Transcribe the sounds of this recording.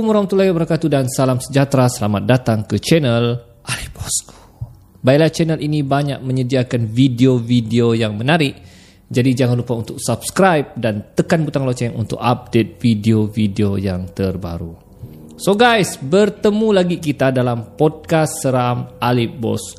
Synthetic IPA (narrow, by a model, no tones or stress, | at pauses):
məɾɔŋt̪ulaɡabəɾkat̪udansalamsəd͡ʒat̪ɾasəlamat̪̚dat̪aŋkət͡ʃɛnəl | ʔalip̚bɔs | bailat͡ʃɛnəlʔinibaɲak̚mə̃ɲədiakanvidiovideojaŋmə̃naɾɪʔ | d͡ʒadid͡ʒaŋanlupaunt̪ʊk̚sabskɾajp̚dant̪əkanbut̪aŋlot͡ʃaŋṵnt̪ʊ̰ka̰p̚det̪̚vidiovideojaŋt̪ərba̰ɾu | soɡajsbərt̪əmũlaɡikit̪adalampɔd̚kasːəɾamalip̚bɔ̰s